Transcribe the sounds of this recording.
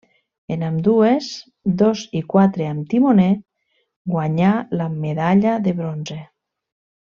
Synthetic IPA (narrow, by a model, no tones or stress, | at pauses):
enamd̪ues | d̪ozikwat̪ɾeamt̪imone | ɡwaɲalameðaʎaðeβɾonze